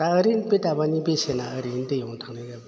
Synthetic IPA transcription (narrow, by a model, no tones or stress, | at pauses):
aəɾinpet̪abanipesenaəɾint̪ejoŋt̪ʰaŋneka